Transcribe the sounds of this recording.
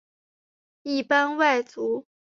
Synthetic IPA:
i˥˩pa˥nwa˥˩ɪt͡su˧˥

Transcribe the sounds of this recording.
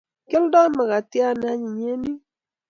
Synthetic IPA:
ke˦ldɔ˦ma˨ka˨tja˦n˦a˨˦ɲi˨ɲe˦ni˦

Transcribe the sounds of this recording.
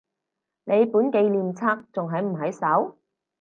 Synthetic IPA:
ne˨˧jpuː˨˥nke˧jliː˨mt͡sʰaː˥k̚t͡sʊ˨ŋɦɐ˨jm̩˨˩ɦɐ˨˥jsɐ˨˥w

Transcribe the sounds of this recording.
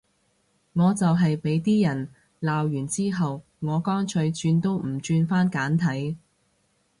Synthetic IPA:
ŋɔː˨˧t͡sɐ˨wɦɐ˨jpe˨˥jt̪iː˥jɐ˨˩n | laː˨wjyː˨˩nt͡siː˥ɦɐ˨w | ŋɔː˨˧kɔː˥ŋt͡ʃʰɵ˨˧ɥt͡ʃyː˧nt̪o˥wm̩˨˩t͡ʃyː˧nfaː˥nkaː˨˥nt̪ʰɐ˨˥j

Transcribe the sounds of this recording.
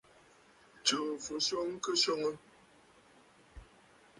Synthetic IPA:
t͡ʃə˨fo˨˦so˦ŋ˦kə˦so˦ŋə˦

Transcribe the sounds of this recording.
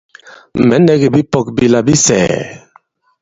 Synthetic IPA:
mɛ˨˦nɛ˦ɡe˨bi˦pɔ˨k̚bi˦la˨bi˦sɛ̰ː˨

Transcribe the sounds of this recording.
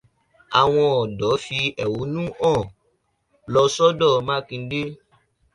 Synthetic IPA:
a̰˨w̃ɔ̃˧ɔ˨dɔ˨˦fi˧ɛ˨wu˨˦nũ˦ʔɔ̃˦˨ | lɔ˧sɔ˦dɔ˦˨mã˦kĩ˧˦de˦

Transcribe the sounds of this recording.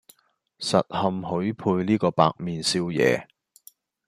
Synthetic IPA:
sɐ̰˨t̚hɐ˨mɦɵ˨˥ɥpʰuː˧jniː˥kɔː˧pa̰ː˧k̚miː˨˧nsiː˥wjɛ̰ː˨˧

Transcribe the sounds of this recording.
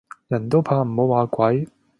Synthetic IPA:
jɐ˨˩nt̪o˥wpʰaː˧m̩˨˩ho˨˧waː˨˧kʷɐ˨˥j

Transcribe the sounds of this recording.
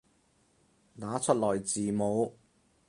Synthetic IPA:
laː˨˥t͡sʰɵ˥lɔː˨˩jt͡siː˨˩mo˨˧w

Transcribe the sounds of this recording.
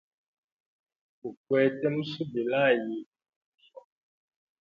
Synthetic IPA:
o˨kwɛ˨tɛ˦mũ˦su˦be˨la˦˨ji˨ | fɔ˨

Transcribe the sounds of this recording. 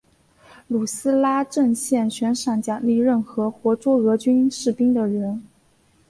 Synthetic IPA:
lu˨˩sɹ̩˥la˥ʈ͡ʂə˥˧ŋɕjɛ˥˩nɕɥɛ˧˥nʂa˨˩ŋt͡ɕjɑ˨˩li˥˧ɻə˥˩nxɤ˧˥xwɔ˧˥t͡swɔ˥ɤ˧˥t͡ɕy˥nʂɻ̩˥˩pi˥ŋd̪ə˨ɻə˧˥n

